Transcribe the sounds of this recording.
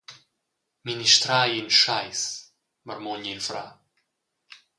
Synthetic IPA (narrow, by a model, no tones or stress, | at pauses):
miniʃt̪ɾaːjinʃajs | məɾmɔɲilfɾa